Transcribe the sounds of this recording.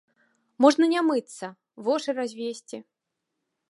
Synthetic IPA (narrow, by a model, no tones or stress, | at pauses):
mɔʐnɐnʲamɨt̪sːɐ | vɔʂɨrazʲvʲesʲt͡sʲi